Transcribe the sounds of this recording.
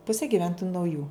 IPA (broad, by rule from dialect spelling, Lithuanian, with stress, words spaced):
ˈpʊsʲeː ɡʲɪˈʋʲɛntoːjʊ nɐʊˈjuː